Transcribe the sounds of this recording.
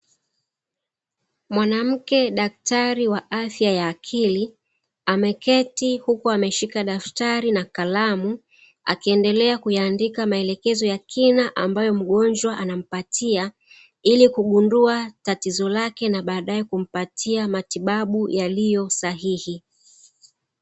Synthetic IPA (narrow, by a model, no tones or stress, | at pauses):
mwanam̩kɛɗaktaɾiwaafjajaːkʰili | amɛkɛtihukuamɛʃikaɗaftaɾinakalamu | a̰kiɛndɛlɛakujaːndikamaɛlɛkɛzɔjakʰinaʔambajɔm̩ɠɔnd͡ʒwaʔanam̩patia | ilikuɠunduatatizɔlakɛnaɓaːɗaɛkum̩patʰiamatiɓaɓujalijɔsaɦihi